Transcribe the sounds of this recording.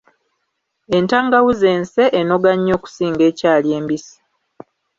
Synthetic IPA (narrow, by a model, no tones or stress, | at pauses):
e̞ntaːŋɡawuze̞ːnse̞ʔːno̞ɡaɲːo̞ːku̥siːŋɡe̞ːcaːlje̞ːmbisi̥